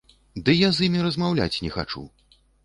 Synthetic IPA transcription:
d̪ɨjazjimʲiɾɐzmawlʲa̰t͡sʲnʲɛxa̰t͡ʂṵ

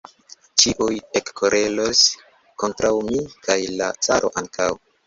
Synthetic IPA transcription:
t͡ʃiʔujekːoɾʔe̞lo̞s | ko̞ntɾawmikʰajlat͡saɾʔo̞̰ʔaŋkaw

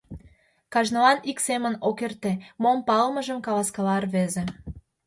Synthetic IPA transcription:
kɑʒnɤɑniksemənokert̪emompɑlmə̆ʒəmkɑlɑskɑlɑrβeze

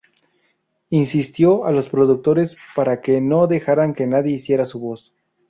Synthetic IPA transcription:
insist̪jo̞alo̞spɾo̞ðuk̚t̪o̞ɾe̞spaɾake̞no̞ðe̞xaɾaŋke̞naðje̞isje̞ɾasuβo̞s

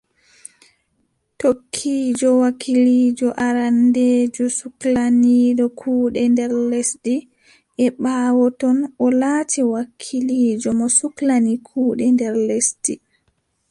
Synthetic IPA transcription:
tokʰːiːd͡ʒɔwakʰiliːd͡ʒɔʔaɾandeːd͡ʒɔsuklaniɗɔkʰuːɗɛndɛɾlesdi | ʔɛɓaːwɔtɔnʔɔlaːtʰiwakʰːiliːd͡ʒɔmɔsuklanikʰuːɗɛndɛɾlesdi

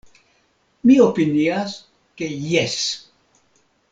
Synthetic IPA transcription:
miopinias | ke̞jes

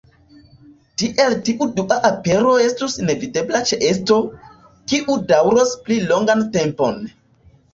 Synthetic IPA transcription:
tiʔe̞ltiʔuduʔaʔape̞ɾo̞e̞stusine̞vide̞blat͡ʃeʔesto̞ | kiʔudawɾosplilo̞ŋɡante̞mpo̞̰n

